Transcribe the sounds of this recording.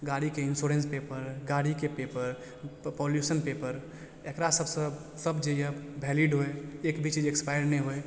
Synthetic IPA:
ɡaːɽikeɪnsoːɾẽːnspeːpəɾɡaːɽikepeːpəɾ | pɔːljuːsənpeːpəɾ | ekɾasəbsə | səbd͡ʒejəbʱɛːliːɖɦoeeːkbʱit͡ʃiːd͡ʒekspaːɪəɾneɦoe

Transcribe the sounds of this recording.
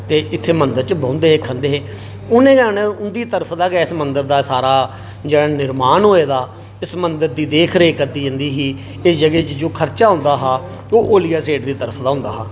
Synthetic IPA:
t̪eːʔɪt̪ʰːeːmənd̪əɾt͡ʃəbõːnd̪eːɦeːkʰənd̪eːɦeː | ʊnẽːɡənẽʊnd̪iːt̪əɾəpʰd̪aːɡːɪsmənd̪əɾd̪aːsaːɾaː | d͡ʒeːɽaːnɪɾmaːnɦoːeːd̪aː | ɪsmənd̪əɾd̪iːd̪eːkʰɾeːkəɾd̪iːd͡ʒənd̪iːɦiː | ɪsd͡ʒəɡeːt͡ʃd͡ʒoːkʰəɾt͡ʃaːɦʊ̃nd̪aːɦaː | oːʔoːlɪjaːseːʈd̪iːt̪əɾəpʰd̪aːɦʊ̃nd̪a̰ːɦaː

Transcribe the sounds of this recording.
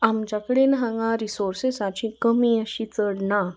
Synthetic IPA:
amt͡ɕakəɽenɦãŋɡãɾisoɾsesat͡ɕĩkəmĩəɕit͡səɽna

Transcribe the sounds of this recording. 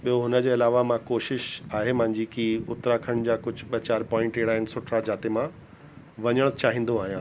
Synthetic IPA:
ɓijoɦʊnə̆d͡ʑeːɪlaːʋamãkoːʃɪʃaːɦemɐ̃ɦɪ̃ɲd͡ʑikiʊt̪ɾakʰəɽ̃d͡ʑaːkʊd͡ʑ̆ʱɓɐt͡ɕaːɾpɔːɪ̃ɳʈeɦɪɽaːɦɪnsʊʈʰɾad͡ʑaːt̪emã | ʋɐɲəɽ̃t͡ɕaːɦĩːn̆d̪oaːɦijãː

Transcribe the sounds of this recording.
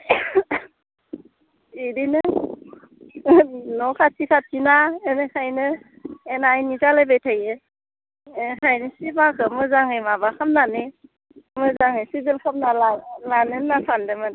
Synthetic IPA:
idinɯ | nɔkʰatʰikʰatʰinaenɯkʰajnɯ | enajnizalajbejtʰaje | kʰajnɯsibakʰɯmɯzaŋɯjmabakʰamnanɯ | mɯzaŋɯjsizilkʰamnalalanɯnasʰandɯmɯn

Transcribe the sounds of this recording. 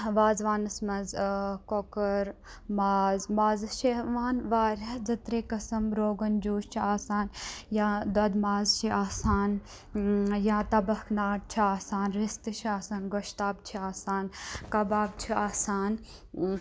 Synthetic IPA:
ʋaːzʋaːnɐsmɐnzkokɐɾ | maːzmaːzʃeɦʋaːnʋaːɾʲɐd͡zɐt̪ɾeːkɐsɐmɾoːɡɐnd͡ʒuːʃt͡ʃʰiaːsaːnjaːd̪ɐd̪maːzt͡ʃʰiaːsaːn | jãːt̪ɐbɐknaːʈ̚t͡ʃʰiaːsaːnɾist̪ɨt͡ʃʰiaːsaːnɡoʃt̪aːbt͡ʃʰiaːsaːnkɐbaːbt͡ʃʰiaːsaːn

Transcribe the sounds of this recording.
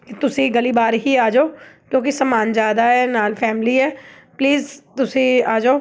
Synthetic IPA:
kit̪ʊsĩɡɐlibaːɾɦiaːd͡ʒoːkõːkisɐmaːnd͡ʒaːd̪aɦɛnaːlfɛːmliɦɛː | pliːzt̪ʊsĩaːd͡ʒoː

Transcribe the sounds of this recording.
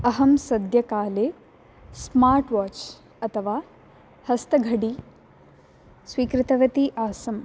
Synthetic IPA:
ɐɦɐmsɐd̪ʱjɐkaːleː | smaːɾʈʋaːt͡ʃ | ɐt̪ʰɐʋaː | hɐst̪ɐɡʱɐɽi | sʋiːkɾɪt̪ɐʋɐt̪iʔaːsɐm

